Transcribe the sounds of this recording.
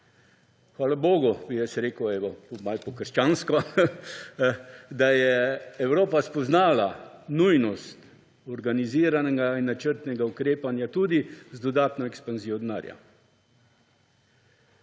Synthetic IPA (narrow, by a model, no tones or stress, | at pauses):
xʋaːlaboːɡubijɛsɾeːkəɛːʋɔpɔmajpɔkəɾʃt͡ʃaːnskɔ | d̪ajɛɛwɾoːpaspɔznaːlanujnɔst̪ | ɔɾɡaniziːɾanɛɡainːat͡ʃəɾt̪nɛɡaukɾeːpanjat̪ud̪izd̪ɔd̪aːt̪nɔɛkspanziːjɔd̪na̰ːɾja̰